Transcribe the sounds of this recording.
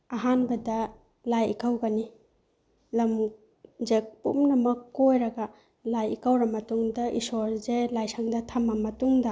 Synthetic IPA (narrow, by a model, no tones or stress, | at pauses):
ɐɦanbɐdɐ | lajḭkʰawɡani | lɐm | zek̚pṵmlɐmɐkːojɾɐɡa | lajḭkawɾɐmɐtuŋdɐʔḭsoɾzelajsaŋdɐtʰamɐmɐtuŋdɐ